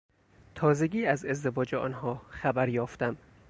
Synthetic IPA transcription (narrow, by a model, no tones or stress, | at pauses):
t̪ʰɒːze̞ɡiːæze̞zd̪evɒːd͡ʒeɒ̰ːnhɒːxæbæɾjɒːft̪æm